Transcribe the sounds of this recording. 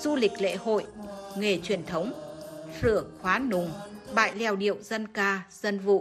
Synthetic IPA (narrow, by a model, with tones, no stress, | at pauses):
z̥u˧lï˨˩k̟̚lḛ˧˥ho̰˧˨jŋe˨˩t͡ɕwi˨˩ənt̪ʰə˨˦wŋ͡msɨ̰˧˩əŋxwaː˨˦nʊ˨˩ŋ͡mɓa̰ː˧˨jlɛ˧˩˨wɗḭ˧˨əwz̥ə˧nkaː˧z̥ə˧nvṵ˧˨